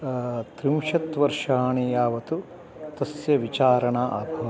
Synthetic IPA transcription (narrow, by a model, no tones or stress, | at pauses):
t̪ɾimʃɐt̪ʋɐɾʂaːɳijaːʋɐt̪u | t̪ɐsjɐʋit͡ʃaːɾɐɳaːʔɐbʱɐʋɐ